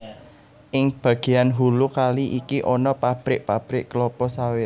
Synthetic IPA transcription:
ʔɪŋb̥ä̤ɡ̥e̤janɦulukaliʔikiʔɔnɔpab̥ɾɪʔ̚pab̥ɾɪʔklɔpɔsawɪt

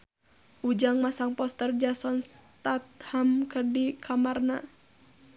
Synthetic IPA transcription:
ʔud͡ʒaŋmasaŋpɔst̪ərd͡ʒasɔnst̪at̪̚hamkərdikʰamarna

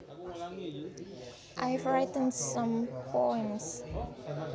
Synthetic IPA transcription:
ʔajvɹitə̃nsãmpʰoɛ̃ms

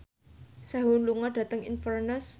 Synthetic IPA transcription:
saɦʊnluŋaɖ̥ä̤t̪əŋinfərnəs

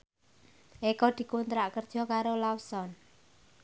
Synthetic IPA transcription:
ʔekɔd̪̥i̤kunt̪ɾaʔkərd̥ʒ̥ɔ̤kaɾolawsɔn

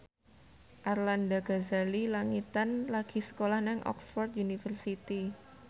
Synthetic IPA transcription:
ʔarlandaɡ̥azalilaŋit̪anlaɡ̥isə̥kolahnɛŋʔɔ̰ksfɔrt̪̚junifərsit̪i

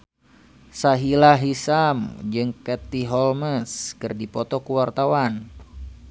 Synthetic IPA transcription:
saɦilaɦisamd͡ʒɨŋkɛt̪iɦɔlməskɨrdipɔt̪ɔkuwart̪awan

